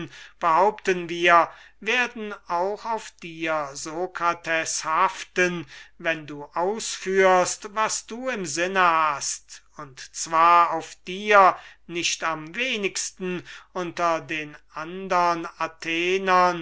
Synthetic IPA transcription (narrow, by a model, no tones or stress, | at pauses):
nb̥əhaʊptənviːɐ | veːɐdn̩aʊxaʊfd̥iːɐzokʁatʰɛshaftənvɛnduːʔaʊsfyːɐstvasd̥uːɪmzɪnəhast | ʊntt͡sv̥aːɐaʊfd̥iːɐnɪçtamveːnɪkstn̩ʔʊntɐdeːnʔandəʁənatʰeːnɐn